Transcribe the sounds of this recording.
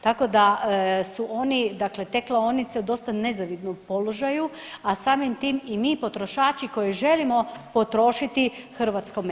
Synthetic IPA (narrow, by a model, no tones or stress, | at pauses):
t̪ako̞d̪asuʔo̞nid̪akle̞t̪e̞klaonit̪seud̪o̞st̪ane̞zaʋid̪nompo̞loʒajuasaːmimt̪iːmimiːpo̞t̪ɾo̞ʃaːt͡ʃiko̞jiʒe̞limo̞po̞t̪ɾo̞ːʃit̪ixr̩ʋat̪sko̞m